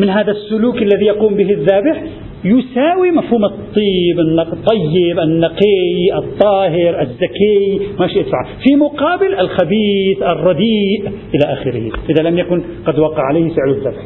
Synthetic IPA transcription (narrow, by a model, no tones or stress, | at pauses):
mɪnɦaːðasːʊluːkalːaðijɑquːmbɪɦɪðːaːbɪħ | jʊsaːwimafhuːmɨt̪ˤːiːbɪnːɑt̪ˤːɑjːɪbʔɪnːɑqejʔɨt̪ˤːɑːɦɪɾʔɪzːakajmaʃiʔɪt̪faʕafimʊqɑːbɪlʔalxabiːθʔɑrˤːɑd̪iːʔʔɪlaʔaːxɪɾɪhḭʔɪðalamjakʊn | qɑd̪wɑqːɑ̰ʕalejːhfɪʕlʊðːaːbħ